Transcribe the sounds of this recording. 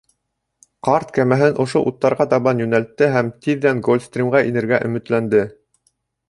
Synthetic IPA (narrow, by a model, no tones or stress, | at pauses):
qɑɾt̪kæmæɦɘnʔŏʃoʔut̪ːɑɾʁɑt̪ɑβɑnjɵ̆nælt̪ːɘɦæmt̪iðːæŋɡolʲfst̪rʲimʁɑʔinɘ̆ɾɡæʔɵ̆mɘ̆t̪lænd̪ɘ